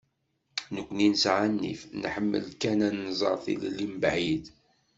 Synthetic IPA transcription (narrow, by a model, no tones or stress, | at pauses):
nəkʷːninəsʕanːḭfnħəmːə̰lkænænːzˤɑ̰ɾˤθḭllːimbʕid̪